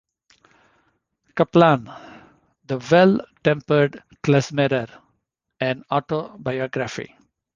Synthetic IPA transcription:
kɐplãːn | d̪əʋɛlʈɛ̃mpəɾɖ | klæsmeɾəɾ | ɛ̃ɳɖɔːʈobajɔːɡɾafḭ

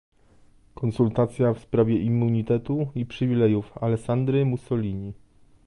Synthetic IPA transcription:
kɔnsult̪at̪sʲjafspɾavʲjɛʔimːuɲit̪ɛt̪uipʂɘvʲilɛjufalɛksand̪ɾɘmusɔlʲiɲi

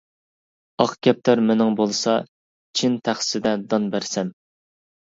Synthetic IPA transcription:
ɑqɡʲɛp̚t̪ʰæɾmɪnɪŋbolˠɨsɑ | t͡ʃʰint̪ʰæχsɪd̪ɛd̪ɑnbæɾsɛm

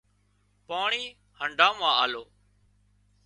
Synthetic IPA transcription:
paːɳiː | həɳɖʱãːmãːaːloː

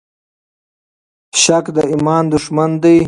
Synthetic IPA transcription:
ɕakd̪əimɑːnd̪uʂmand̪ij

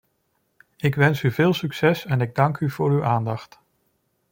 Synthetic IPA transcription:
ɪkʋɛnsyvɪːlˠsyksɛsɛnɪɡ̚dɑŋkyv̥ʊːɹywʔaːndɑχt

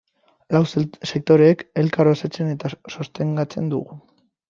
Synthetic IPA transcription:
lawsse̞k̚t̪o̞ɾeːke̞lkaɾosat͡se̞ne̞t̪aso̞st̪e̞ŋɡat͡se̞nd̪ṵɣu

